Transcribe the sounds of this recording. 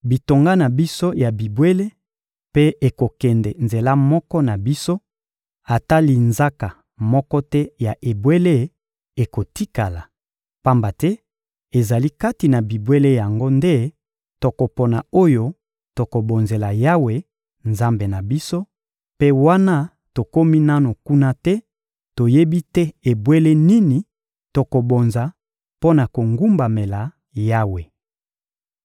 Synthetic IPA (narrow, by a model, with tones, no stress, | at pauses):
bi˨to˨ŋɡa˦na˨bi˦so˦ja˨bi˨bwe˦le˦ | pe˦e˨ko˨kɛ˨ndɛ˨nze˨la˦mɔ˦kɔ˦na˨bi˦so˦ | a˨ta˦li˦nza˦ka˨ | mɔ˦kɔ˦tɛ˦ja˨ʔe˨bwe˦le˦ | e˨ko˨ti˦ka˨la˨ | pa˦mba˨tɛ˦ | e˨za˨li˦ka˦ti˨na˨bi˨bwe˦le˦ja˨ŋɡo˦nde˦ | to˨ko˨po˨na˨o˦jo˦ | to˨ko˨bo˨nze˨la˨ja˦we˨ | nza˦mbe˨na˨bi˦so˦ | pe˦wa˦na˦ | to˨ko˦mi˦na˦no˨ku˦na˦tɛ˦ | to˨je˦bi˦tɛ˦e˨bwe˦le˦ni˦ni˨ | to˨ko˨bo˨nza˨ | po˦na˨ko˨ŋɡu˦mba˨me˨la˨ | ja˦we˨